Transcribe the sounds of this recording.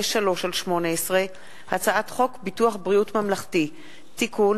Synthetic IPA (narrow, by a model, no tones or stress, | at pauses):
eʃalo̞ʃalʃmo̞neesʁe | hat͡saʔatχo̞kbituaχbʁiutmamlaχti | tikʰun